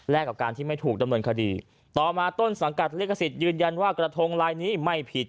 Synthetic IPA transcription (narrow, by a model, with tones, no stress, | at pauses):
lɛː˥˩kːa˨˩p̚kaː˧nt̪ʰiː˥˩ma˥˩jt̪ʰuː˨˩k̚da˧mnɤː˧nkʰa˧dḭː˧ | t̪ɔː˨˩maː˧t̪o˥˩nsa˩˦ŋka˨˩t̪̚liː˦˥kʰːa˧si˨˩t̪̚jɯː˧nja˧nwaː˥˩kɾa˧t̪ʰo˧ŋlaː˧jniː˦˥ma˥˩jpʰi˨˩t̪̚